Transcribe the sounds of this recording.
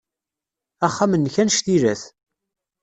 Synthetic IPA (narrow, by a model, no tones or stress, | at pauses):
æχːamənːçænʃt̪iɾæθ